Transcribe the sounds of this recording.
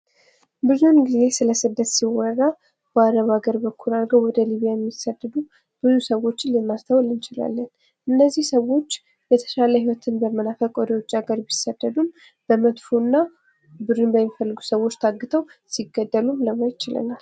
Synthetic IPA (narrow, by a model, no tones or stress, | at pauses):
bɨzunɡize̞sɨləsɨd̪ːət̪siwɔrːa | bəaɾəβaɡəɾbəkʰːulaɾɡəwwɔd̪əliβijajɛmːisːəd̪ːəd̪u | b̥ɨzusəwo̞t͡ʃːɪnlɛmːast̪ʰawlɨnt͡ʃɪla̰lːən | ʔɨnːəzːihsəwo̞t͡ʃː | bət̪ʰə̥ʃaləhiwɔt̪ʰɨnbəmənafəkʼɔd̪ijot͡ʃːʼaɡəɾbisːəd̪ːəd̪um | b̥əmət̪funːa | bɨɾɨnbəmifəlːɨɡusəwo̞t͡ʃːt̪ʰaɡːɨt̪ʰəwsiɡːəd̪ːəlumləmajt̪t͡ʃɪlə̰nal